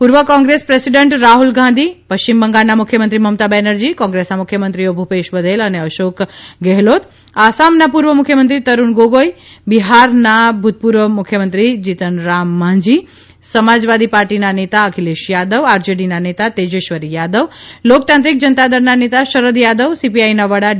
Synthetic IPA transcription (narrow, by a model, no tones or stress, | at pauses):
puɾʋəkɔ̃ŋɡɾespɾesiɖəɳʈɾaɦulɡʱãnd̪ʱipəʃt͡ɕimbəŋɡalnamʊkʰːjəmənt̪ɾiməmt̪abɛnəɾd͡ʒikɔ̃ŋɡɾesnamʊkʰjəmənt̪ɾiobʱupeʃbəd̪eləneəʃokɡɛɦlot̪ | asamnapuɾʋəmukʰjəmənt̪ɾit̪əɾunɡoɡoji | biɦaɾnabʱut̪̚puɾʋəmʊkʰjəmənt̪ɾid͡ʒit̪ənɾamːãɲd͡ʒi | səmad͡ʒʋad̪ipaɾʈinanet̪aəkʰileʃjad̪əʋaɾd͡ʒeɖinanet̪at̪ed͡ʒeʃʋəɾijad̪əʋlok̚t̪ãnt̪ɾik̚d͡ʒənət̪ad̪əɾnanet̪aʃəɾəd̪jad̪əʋsipiajnaʋəɽa